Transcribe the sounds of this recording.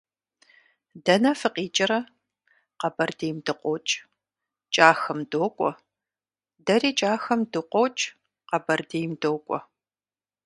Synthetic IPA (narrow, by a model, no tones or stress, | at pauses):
dɐnɐfɨqiːt͡ʃʼɐɾɐ | qɐbɐrdeːmdɨqʷʼot͡ʃʼ | t͡ʃʼaːxɐmdoːkʷʼɔ̰ | dɐɾiːt͡ʃʼaːxɐmdɨqʷʼɔːt͡ʃʼ | qɐbɐrdeːjmdoːkʷʼɔ̰